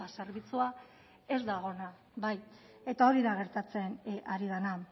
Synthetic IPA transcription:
ase̞ɾβit͡sua | e̞zd̪aɣ̞o̞na | βaj | e̞t̪ao̞ɾiðaɣ̞e̞ɾt̪at͡se̞naɾiðana

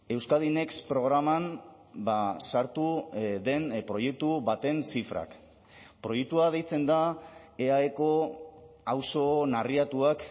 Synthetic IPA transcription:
e̞wskað̞ine̞kspɾo̞ɣɾaman | basaɾt̪uðe̞npɾo̞je̞k̚t̪uβat̪e̞nsifɾa̰k | pɾo̞jek̚t̪uað̞ejt͡se̞nd̪aeaeko̞ | awso̞nariat̪uak

